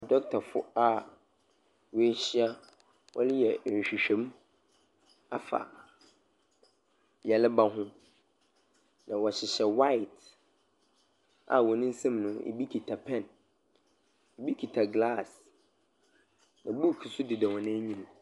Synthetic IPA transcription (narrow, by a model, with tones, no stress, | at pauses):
dɔ˦k̚tʰa˨fʊ̰˦a˦ | wɔ˦ɕɪ˦a˦ | wɔ̰˦lɪ˦jɛ˨n̩˨ɕᶣi˨ɕᶣɛ̃˨˦m | a˨fa̰˨ | jɛ˨lɪ˦ba˦ɦʊ̃˦ | nã˨wɔ˨ɕɪ˨ɕɛ˨wa˦jɪ˨t | a̰˨wɔ˨nɪ̃˦n̩˦sã˦mnʊ̃˦ḛ˨bi˦kʰi˨tʰa˨pʰɛ̃˦˨n | e˨bi˦kʰi˨tʰa˨ɡla˦˨s | nã˨bu˦˨kʰi˨sʊ˦dɪ˨dɛ˨wɔ̃˨nɪ̃˦ɲĩ˦ñ˨